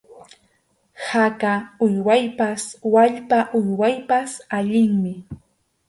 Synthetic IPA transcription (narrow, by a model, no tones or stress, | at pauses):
hakaʊjwajpaswaʎpaʔʊjwajpasaʎɪŋmɪ